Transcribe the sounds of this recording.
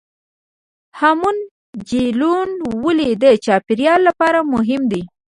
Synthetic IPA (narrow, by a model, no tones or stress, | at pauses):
hamun | d͡ʒilunwəlid̪ət͡ʃɑpɪɾjɑlːapɑɾamʊɦɪmd̪i